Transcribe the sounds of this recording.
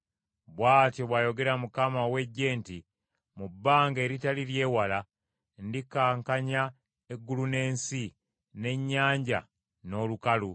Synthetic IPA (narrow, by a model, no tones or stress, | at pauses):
βwaːtjoβwaːjo̞ɡe̞ɾamukamawe̞ɟːe̞ːnti | mubːaːŋɡe̞ɾitaliɾje̞ːwala | ndikaːŋkaɲa | e̞ɡːulune̞ːnsi | ne̞ɲːaːɲɟa̰ | no̞ːlukalu